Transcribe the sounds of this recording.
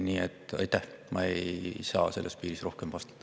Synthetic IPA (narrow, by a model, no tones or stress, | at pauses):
niːet̪ːɑ̰jt̪ːˑæhmɑ̰ejsɑ̰ːse̞lːʔespiːɾisro̞hkemvɑst̪e̥t̪ːˑ